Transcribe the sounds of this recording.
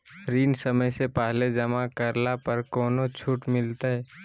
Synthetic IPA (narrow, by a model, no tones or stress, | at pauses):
ɾiːnsəməjsepaːɦled͡ʒɐmakəɾlapəɾkɔːnot͡ʃʰuːʈmɪlt̪aɦɛː